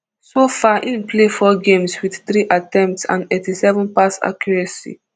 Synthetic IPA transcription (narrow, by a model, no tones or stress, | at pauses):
sofaʔĩnplefɔɡẽmswiθθɹiʔatɛ̃mp̚tsã̰ndetisɛvɔ̃npasa̰kʰjɔɹɛsḭ